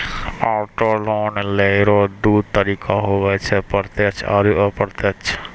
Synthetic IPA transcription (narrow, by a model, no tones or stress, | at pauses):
aːʈoːloːnleɾoːd̪uːt̪əɾiːkʰaɦoʋɛːt͡ʃʰɛpəɾt̪et͡ʃʰa̰ɾuʔəpəɾt̪et͡ʃʰ